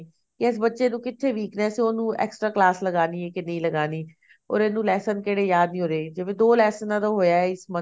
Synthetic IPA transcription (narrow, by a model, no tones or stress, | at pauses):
kɪɛsbətːʃeːnũːkɪt̪ʰːeːʋiːknɛːseoːnũːɛ̰ːksʈɾaːklaːsləɡaːniːeːkɪnĩːləɡaːniː | ɔ̰ːɾeːnũːlɛːsənkeːɽeːjaːd̪nĩːɦoːɾeːd͡ʒɪʋẽːd̪oːlɛːsənãːd̪oːɦoːjaːɛɪsmə